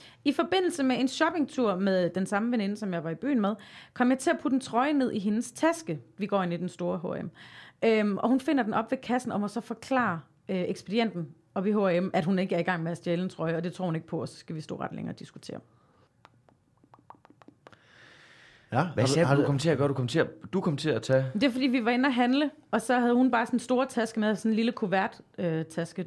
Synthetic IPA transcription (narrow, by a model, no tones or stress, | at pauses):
ifɒ̽b̥e̝n̰l̩səmee̝nɕɒ̽b̥e̝ŋt͡sʰuɐ̰meðˠd̥ensɑ̈məʋene̝nəsɒ̽mjɑ̈ɪʋɑ̈ib̥y̰ːn̩með̞ˠkʰɒ̽m̰jɑ̈ɪt͡sʰe̝læpʰud̥n̩t͡sʰʁɒ̽ɪəne̝ð̞̰ˠiɦe̝nəst͡sʰæsɡ̥əʋiɡ̥ɒ̰ːe̝nid̥ensd̥o̝ːɐɦo̝emʔømʔɒ̽hunfe̝n̰ɐden̩ʔɒ̽b̥ʋe̝kʰæsn̩ɒ̽mæsɒ̽fɒ̽kʰlɑ̰̈ː | øeɡ̥sb̥e̝d̥ien̰d̥n̩ | ɒ̽b̥iɦo̝æemæd̥ɦune̝ɡ̥əæɐiɡ̥ɑ̈ŋ̰meæsd̥jeln̩t͡sʰʁɒɪɒ̽d̥e̝t͡sʰo̝ɐhune̝ɡ̥əpʰɒ̽ɒ̽sɒ̥̽sɡ̥æʋisd̥ɔ̰ːʁɑ̈d̥lḛŋɐːd̥isɡ̥u̥t͡sʰe̝̰ːɐ | hɑdukʰɒmn̩t͡sʰe̝ɐ̰ɡ̥ɐd̥ukʰɒm̩t͡sʰe̝ːɐd̥ukʰɒmn̩t͡sʰe̝æt͡sʰɛd̥e̝ɐfɒdḭːʋiʋɑe̝næɦænləʔɒ̽sɒ̽ɦæð̞ˠhunb̥ɑ̈ːsɒ̽nsd̥o̝ːɐt͡sʰæsɡ̥əmeðˠsɒ̽nliləkʰoʋæɐ̰d̥øt͡sʰæsɡ̥ə